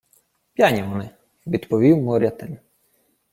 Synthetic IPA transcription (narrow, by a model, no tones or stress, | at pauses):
pʲjanʲiʋɔnɪ | ʋʲid̪pɔʋʲiwmɔɾʲɐt̪ɪnʲ